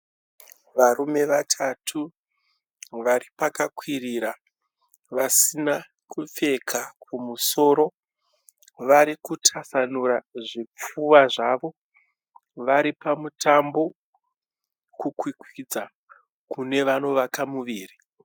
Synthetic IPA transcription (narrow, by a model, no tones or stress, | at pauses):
ʋarume̞ʋatʰatʰu | ʋaripakakwiriːɾa | ʋasina | kup͡fe̞kʰakʰumuso̞ːɾo̞ | ʋaɾikutʰasanuɾaʐip͡fuwaʐaːʋo̞ | ʋaɾipamutambo̞ | kukwikwid͡za | kune̞ʋano̞ʋakamuʋiːri